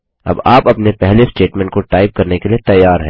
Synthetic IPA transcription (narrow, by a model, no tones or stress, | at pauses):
ɐ̰baːpɐpnepɛɦlesʈeːʈmɛ̃ːɳʈ̚koʈaːɪp̚kɐɾnekeliet̪ɐjːaːɾɦɛ